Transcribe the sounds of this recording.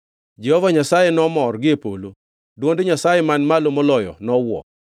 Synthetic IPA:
d͡ʒɛhɔvaɲasajenɔmɔrɡɪpolo | dwondeɲasajemanmalomɔlɔjɔ̰nɔwɔ̰

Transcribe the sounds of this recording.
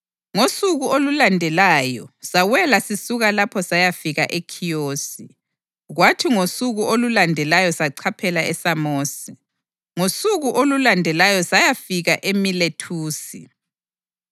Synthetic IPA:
ŋosuɣuolulandʱɛlaːjɔsawɛlasisuɣalapʰɔsajafiɣaʔekʰijoːsi | ɣwatʰiŋosuɣuʔolulandʱɛlajɔsaǀʰapʰɛlaɛsamoːsi | ŋosuɣuʔolulandʱɛlajɔsajafiɣaʔemiletʰuːsi

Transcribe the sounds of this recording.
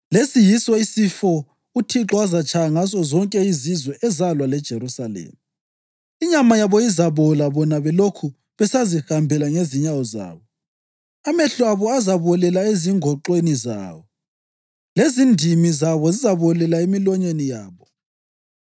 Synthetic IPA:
lesijisɔisifɔ | utʰiǁɔazat͡ʃʰʼajaŋasɔzɔŋkʼɛizizwɛʔɛzalwalɛd̥ʒ̥ʱeɾusalḛːmi | iɲamajaβɔizaβɔlaβɔnaβɛlokʰu | βɛsazihambʱɛlaŋeziɲawɔza̰ːβɔ | amɛɬɔaβɔazaβɔlɛlaeziŋʱɔǃweniza̰ːβɔ | lezindʱimizaβɔzizaβɔlɛlaemilɔɲenijaːβɔ

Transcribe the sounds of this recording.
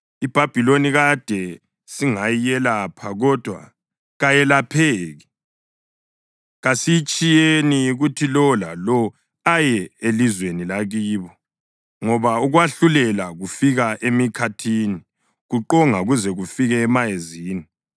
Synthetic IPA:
ib̥ʱab̥ʱiloniɣad̥ʱɛ | siŋajijɛlapʰaɣɔd̥ʱwa̰ | ɣajɛlapʰeːɣi | ɣasijit͡ʃʼijeniuɣutʰilɔla̰lɔ | ajɛelizwenilaɣiːβɔ | ŋɔβauɣwaɬulɛlaɣufiɣaʔemikʰatʰini | ɣuǃɔŋauɣuzɛɣufiɣɛːmajeziːni

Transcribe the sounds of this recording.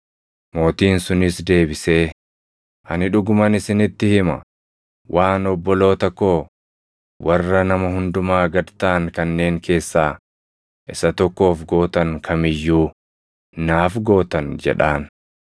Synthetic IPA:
mo̞ːt̪iːnsʊnɪsd̪e̞ːbɪse̞ː | ʔɐnɪᶑʊɡʊmɐnɪsɪnɪt̪ːɪhɪmɐ̰ | wʔaːnɔbːɔlo̞ːt̪ɐkːo̞ː | wɐrːɐnɐmɐhʊnd̪ʊmaːɡɐdt̪aːŋkɐnːe̞ːŋkʰe̞ːsːaː | ʔɪsɐt̪ɔkːo̞ːfɡo̞ːt̪ɐŋkʰɐmɪjːuː | naːfɡo̞ːt̪ɐnd͡ʒɛ̰ᶑaːn

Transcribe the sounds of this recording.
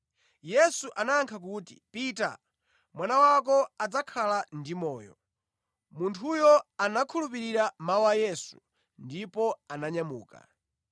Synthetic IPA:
jɛsuʔanaːŋkʰak̬uːtḭpita̰ | mwanawak̬ɔad͡zakʰalandimɔːjɔ̰ | muntʰujɔanakʰulupiɾiɾamawajɛsu̥ | ndipɔanaɲamuːka̰

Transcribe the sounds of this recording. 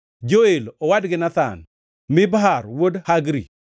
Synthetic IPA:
d͡ʒoelɔwadɡɪnat̪a̰n | mɪbɦarwodhaɡɾḭ

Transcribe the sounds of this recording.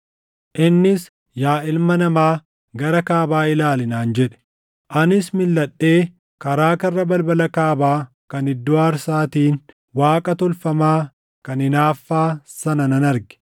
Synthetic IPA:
ʔɪnːɪs | jaːʔɪlmɐnɐmaː | ɡɐɾɐkaːbaːɪlaːlɪnaːnd͡ʒɛᶑɛ̥ | ʔɐnɪsmɪlːɐɗːe̞ː | kɐɾaːkɐrːɐbɐlbɐlɐkaːbaː | kɐnɪd̪ːʊaːɾsaːt̪iːn | waːkʼɐt̪ɔlfɐmaː | kɐnɪnaːfːaːsɐnɐnɐnɐɾɡɛ̥

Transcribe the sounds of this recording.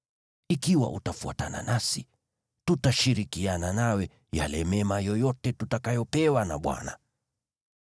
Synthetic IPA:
ikiwa̰ʔutafua̰ta̰na̰nasi | tutaʃiɾikiananawɛ | ja̰lɛmɛmajɔjɔtɛtutakajɔpɛwana̰ɓwa̰na̰

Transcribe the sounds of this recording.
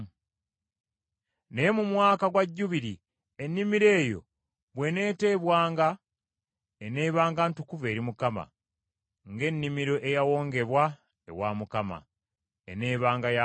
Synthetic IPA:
ne̞mumwaːkaɡwaɟːuβiɾi | e̞nːimiɾe̞ːjo̞̰ | βwe̞ne̞ːte̞ːβwaːŋɡa | ene̞ːβaːŋɡantukuve̞ːɾimukama̰ | ŋɡe̞nːimiɾo̞ʔe̞jawo̞ːŋɡe̞βwa | e̞̰waːmukama̰ | ene̞ːβaːŋɡaja

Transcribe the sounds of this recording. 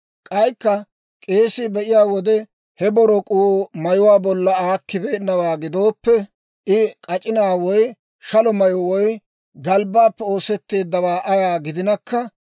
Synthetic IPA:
kʼɐjkːɐ | kʼe̞ːsɪbɛʔɪjaːwɔd̪ɛ | hɛbɔɾɔkʼuwmɐjʊwaːbɔlːɐaːkːɪbeːnːɐwaːɡɪd̪o̞ːpːɛ | ʔɪkʼɐt͡ʃʼɪnaːwɔj | ʃɐlɔmɐjɔwɔj | ɡɐlbaːpːɛo̞ːsɛt̪ːe̞ːd̪ːɐwaːʔɐjaːɡɪd̪ɪnɐkːɐ

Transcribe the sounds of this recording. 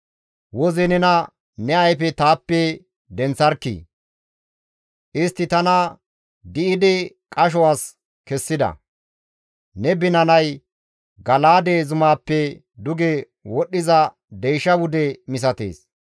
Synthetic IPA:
wɔzɛnɛnɐ | nɛɐjfɛt̪aːpːɛ | d̪ɛnt͡sːɐɾkːḭ | ʔɪst̪ːɪt̪ɐnɐ | d̪ɪɪd̪ɪ | kʼɐʃ̬ɔwaːs | kɛsːɪd̪ɐ̰ | nɛbɪnɐnɐj | ɡɐlaːd̪eːzʊmaːpːɛ | d̪ʊɡe | wɔɗːɪzɐ | d̪ɛjʃɐwʊd̪ɛmɪs̬ɐt̪ḛːs

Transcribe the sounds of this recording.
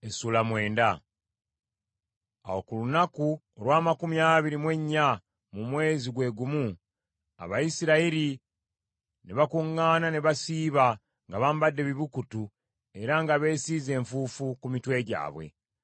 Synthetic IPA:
esuːlamwe̞ːnda | a̰wo̞kulunaku | olwaːmakumijaːβiɾimwe̞ɲːa | mumwe̞ːziɡwe̞ːɡumu | a̰βajisiɾaiɾi | neβakuŋːaːnaneβasiːβa | ŋɡaβaːmbadːe̞βiβukutu | e̞ɾaŋɡaβe̞ːsiːze̞ːɱfuːfukumitwe̞ːɟa̰ːβwe̞̰

